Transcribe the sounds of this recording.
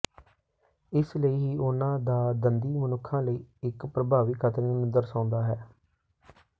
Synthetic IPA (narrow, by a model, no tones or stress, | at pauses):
ɪsləiːɦiːʊnãːd̪aːd̪ənd̪iːmənʊkʰːãːləiːɪkpɾəbʱaːʋiːkʰət̪ɾeːnunəd̪əɾsãːʊnd̪aːɦɛː